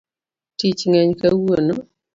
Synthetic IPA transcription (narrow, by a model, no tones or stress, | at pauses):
tit͡ʃŋɛɲkɐwono